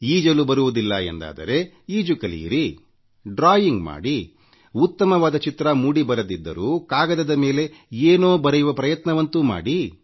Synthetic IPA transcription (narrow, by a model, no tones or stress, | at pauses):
iːd͡ʒɐlubɐɾuʋud̪ilːɐḛnd̪a̰ːd̪ɐ̰ɾe̞ | iːd͡ʒukɐlḭḭɾi | ɖɾaːjiŋɡma̰ːɽi | ut̪ːɐmɐʋaːd̪ɐt͡ʃit̪ɾɐmuːɽibɐɾɐd̪id̪ːɐ̰ɾuːkaːɡɐd̪ɐd̪ɐme̞ːle̞eːnoːbɐɾejuʋɐpɾɐjɐt̪nɐʋɐnt̪uma̰ːɽi